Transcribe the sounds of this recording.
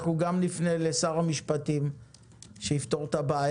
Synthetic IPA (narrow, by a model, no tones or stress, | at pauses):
χuɡamlifnelesaʁhamiʃpatim | ʃeift̪o̞ʁt̪abaːj